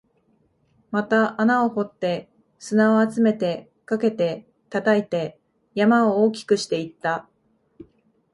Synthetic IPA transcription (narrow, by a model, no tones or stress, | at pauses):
mat̪aʔanao̞ho̞t̪ːe̞ | sɨnao̞at͡sɨme̞t̪e̞ | kake̞t̪e̞ | t̪at̪ait̪e̞ | jamaooːkʲi̥kɯ̟ɕi̥t̪e̞it̪ːa